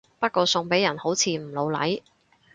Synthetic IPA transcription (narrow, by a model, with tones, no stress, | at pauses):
pɐ˥t̚kʷɔː˧sʊ˧ŋpe˨˥jɐ˨˩nho˨˥wt͡sʰiː˨˧m̩˨˩lo˨˧wlɐ̰˨˥j